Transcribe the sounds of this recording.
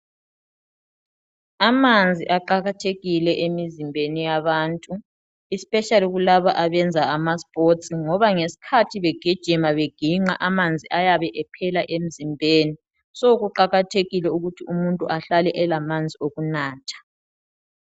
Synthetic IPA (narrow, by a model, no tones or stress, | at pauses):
amand͡zʱiʔaǃaɣatʰeɣilɛʔemizimbʱenijaβaːntʼu | ispʼɛʃaliɣulaβaʔaβɛnd͡zʱaamaspʼotsiŋɔβaŋesi̥kʰatʰiβɛɡ̥ʱid̥ʒ̥ʱimaβeɡ̥ʱiŋ͡ǁa̰ʔamand͡zʱiʔajaβɛʔɛpʰɛlaʔem̩zimbʱeːni | soɣuǃaɣatʰeɣilɛuɣutʰiumuntʼuʔaɬalɛʔɛlamand͡zʱioɣunaːtʰḁ